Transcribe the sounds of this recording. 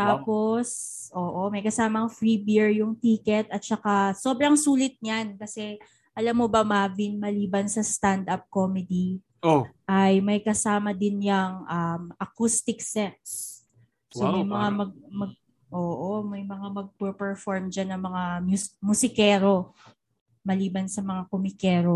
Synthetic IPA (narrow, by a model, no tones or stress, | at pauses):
t̪apo̞sʔoːʔo̞mɐjkɐsaːmɐŋfɹibiɹjʊŋt̪iːkɛt̪̚ɐt̪̚t͡ʃɐkaso̞ːbɾɐŋsuːlɪt̪̚ɲankɐsɛ | ʔɐlamːobɐmavinmɐliːbɐnsɐst̪and̪ɐp̚komɛd̪i | oʔɐjmɐjkɐsaːmɐd̪ɪnjɐŋʔɐmʔɐkust̪ɪksɛk̪̚s | somɐjmɐŋamɐɡ̚mɐɡ̚ | ʔoːʔomɐjmɐŋamɐɡ̚pɛpɛɹfoɹmd͡ʒanːɐŋmɐŋamjumʊsɪkɛːɾo̞ | mɐliːbɐnsɐmɐŋakomɪkɛːɾo̞